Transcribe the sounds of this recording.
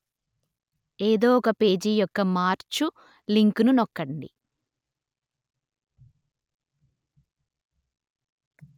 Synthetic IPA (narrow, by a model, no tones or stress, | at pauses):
eːd̪oːɔkɐpe̞ːd͡ʒijɔkːɐmaːɾt͡ʃu | liŋkununɔkːɐɳɖḭ